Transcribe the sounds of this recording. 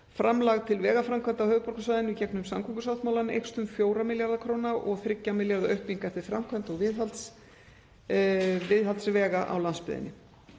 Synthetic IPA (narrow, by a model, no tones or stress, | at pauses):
fɾamlaɣt̪ʰɪlvɛːɣafɾamkʰvant̪awhœːvʏpɔɾ̥rkasvaːðɪnɪcɛknʏmsamkʰɔŋkʏsawt̪mawlanḛjkst̪ʏmfjoːwɾamɪljaɾðakʰɾoːwnaʔɔɣθɾɪcːamɪljaɾðaœhpniŋkaɛft̪ɪɾ̥fɾamkʰvant̪ɔɣvɪðɦalt̪s | vɪðhalt̪svɛːɣaʔa̰wlanspɪ̰ðɪ̰nːɪ